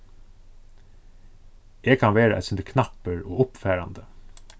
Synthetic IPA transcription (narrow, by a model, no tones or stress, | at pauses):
ʔeːɡ̚kʰɑnʋeːɾə̰ʔɛ̰t̪sʏnd̪əkʰnɑpəɾoːʊpfæːɾɑnd̪ə